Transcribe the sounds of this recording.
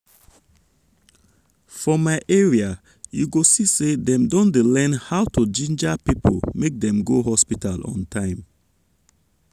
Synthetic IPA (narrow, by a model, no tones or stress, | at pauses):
fɹɔmaɪʔɛɹia | juɡosisedɛ̃mdɔ̃ntlɛ̃nhawtʰud͡ʒĩnd͡ʒapipʰolmek̚dɛ̃mɡoɦɔspitʰalɔ̰̃ntʰãɪ̃m